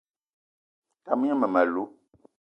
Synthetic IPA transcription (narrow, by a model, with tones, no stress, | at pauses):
ta˨mi˦ɲɛ˦mə˨ma˨lu˦